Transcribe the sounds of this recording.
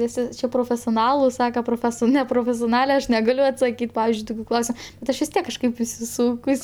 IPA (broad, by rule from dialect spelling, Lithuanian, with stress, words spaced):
ʋʲɪˈsʲɪ ˈt͡ʃʲɛ proːfʲɛsʲoːˈnɑːlˠɐɪ ˈsɑːkɐ proːˈfʲæːsoː nʲɛproːfʲɛsʲoːˈnɑːlʲɛ ɐʃ nʲɛˈɡɑːlʲʊ ɐtsɐˈkʲiːt ˈpɑːʋʲɪzʲd͡ʒʲʊɪ ˈtʊkʲʊ ˈklˠɐʊsʲɛ bʲɛt ˈɐʃ ʋʲɪs ˈtʲiɛk kɐʃˈkɐɪp ɪsʲɪˈsuːkʊs